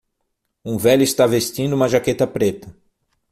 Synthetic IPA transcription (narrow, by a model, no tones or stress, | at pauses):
ũvɛʎʊist̪avest͡ʃĩnd̪ʊũmɐʒaket̪ɐpɾet̪ɐ